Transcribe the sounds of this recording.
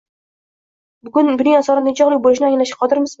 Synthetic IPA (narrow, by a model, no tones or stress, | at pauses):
bʊɡʊnbʊnɪŋasɒɾand̪ɪt͡ʃʰɒʁlˠɪk̚ʲbolɪʃ̬nɪaŋlaʃḁqʰɒd̪ɪɾmɪz